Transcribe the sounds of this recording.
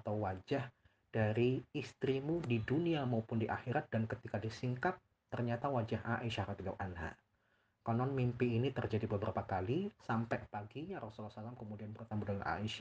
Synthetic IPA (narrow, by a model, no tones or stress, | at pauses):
at̪awwad͡ʒah | d̥aɾiːst̪ɾimudiduniamaupʊndiʔaxiɾat̪̚dankət̪ikadisiŋkat̚ | t̪ərɲat̪awad͡ʒaɦʔaʔiʃahɾat̪ida̰wʔanɦa̰ | kɔnɔnmimpiːnit̪ərd͡ʒadibəbəɾapakalisampɛpaɡiɲaɾɔsulasalamkəmudianbərt̪ambudalanʔa̰iʃa